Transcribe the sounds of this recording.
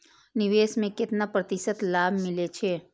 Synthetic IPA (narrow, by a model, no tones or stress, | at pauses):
nɪʋesmẽkɪt̪napɾət̪ɪsət̪laːbʱmɪlet͡ʃʰe